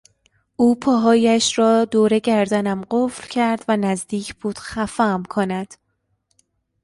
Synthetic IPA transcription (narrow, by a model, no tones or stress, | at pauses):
ʔuːpʰɒːɦɒːjæʃɾɒːd̪oːɾe̞ɟæɾd̪ænæmɢoflcʰæɾd̪vænæzd̪iːcʰb̥uːd̪̥xæfæmkʰonæd̪̥